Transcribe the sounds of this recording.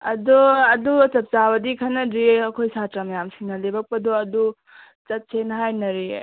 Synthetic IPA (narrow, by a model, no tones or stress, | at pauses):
ɐdɔɐdut͡ʃɐp̚t͡ʃabɐdikʰanɐdɾiɐkʰojsatɾamɐjamsiŋnɐlebɐk̚pɐdɔɐdu | t͡ʃɐt̚senɦajnɐɾi